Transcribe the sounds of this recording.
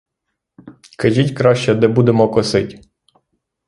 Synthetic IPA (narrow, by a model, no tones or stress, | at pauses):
kɐʒʲitʲkɾɑʃt͡ʃɛd̪ɛbud̪emɔkɔsɪtʲ